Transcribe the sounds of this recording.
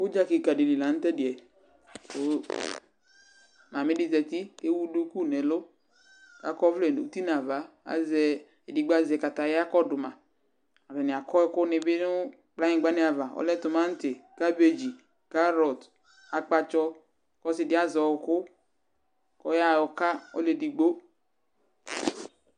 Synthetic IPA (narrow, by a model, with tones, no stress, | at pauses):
wo˦d͡ʒa˦ki˨ka˨di˨li˨la˨n̩˦t̪ɛ˦dɪ˨ɛ˨ | o˦ | ma˨mẽ˦dɪ˦zɛ˨t̪i˦ke˦wu˦du˦ku˦˨nɛ˨lo˦ | ka̰˨kɔ˦vle˨n˨u˨t̪i˦n˨a˨va˨˦ | a̰˨˦zɛ˦ | e˨di˨ɡ͡ba˦zɛ˨ka˨t̪a˨ja˦kɔ˦dʊ˨mã˨ | a˨vɛ˨nɪ˨a˨kɔ˦ɛ˦kʊ˦nɪ˨bɪ˦nʊ˦ | k͡pla˦ɲɪ˨ɡ͡ba˦nɪ˦a˨va˨ɔ̰˦lɛ˦tʊ˨mã˦n̩˦tɪ˨ka˦be˨d͡ʒi˨ | ka˦ɾɔ˨t | a˨k͡pa˨t͡ʃɔ˦ | kɔ˦sɪ˨dɪ˦a˦zɔ˨wkʊ˦ | kɔ˦ja˦˨ɔ˨ka˦ɔ̰˦le˨di˨ɡ͡bo˦